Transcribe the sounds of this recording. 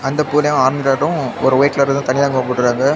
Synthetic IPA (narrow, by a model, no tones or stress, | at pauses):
ɐnd̪ɐpuːlɐjãaːɾɐnd̪ɪʈːaːʈːʊ̃ɔɾɯɔjɐklɐɾɯt̪ãːt̪ɐnɪjaːŋɡɐːpɔːʈːɯkːaːŋɡɐ